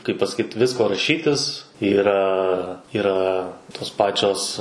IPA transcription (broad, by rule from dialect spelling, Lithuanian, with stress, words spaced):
kɐɪp pɐsɐˈkʲiːt ˈʋʲɪskoː rɐˈʃʲiːtʲɪs iːˈrɐ iːˈrɐ toːs ˈpɑːt͡ʃʲoːs